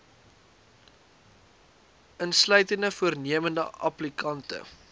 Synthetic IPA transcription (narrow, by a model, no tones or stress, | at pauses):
ənslœɥtəndəfuərniəməndə̰ʔɐ̰plikɐntə̰